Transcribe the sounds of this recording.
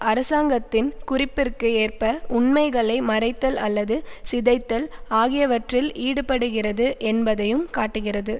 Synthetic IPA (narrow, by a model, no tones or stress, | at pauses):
ʔɐɾɐsaːŋɡɐt̪ːɪnkʊrɪpːɪrkɯeːrpɐʊɳmɐɪɣɐɭɐɪmɐɾɐɪt̪ːɐlɐlːɐðɯsɪðɐɪt̪ːɐlaːɣɪjɐʋɐʈrɪlʔiːɽɯpɐɽɯɣɪrɐðɯʔɛnbɐðɐjɯmkaːʈːɯɣɪrɐðɯ